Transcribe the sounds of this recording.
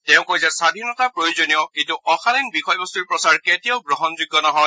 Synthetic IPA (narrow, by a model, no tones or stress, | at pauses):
tɛʊ̃kojzɛsadʱinɔtapɹojozonijɔkĩntuʔɔxʰaninbixʰɔjbɔstuɹpɹɔsaɹketijɔʊɡɹɔɦɔnzuɡːɔnɔɦɔj